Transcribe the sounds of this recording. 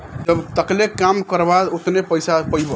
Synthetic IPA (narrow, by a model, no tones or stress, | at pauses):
d͡ʒəbt̪əklekamkəɾbad̪ot̪nepəjsapəjbo